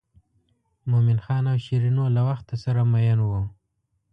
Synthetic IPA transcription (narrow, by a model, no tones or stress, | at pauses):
momɪnxɑnawʃiɾinolawaxt̪asaɾamajanwo